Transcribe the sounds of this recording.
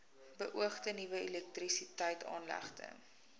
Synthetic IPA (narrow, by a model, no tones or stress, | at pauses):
bəʔuəχtənivəɛlɛk̚trisitəjtʰɑ̰ːnlæ̰χtə̰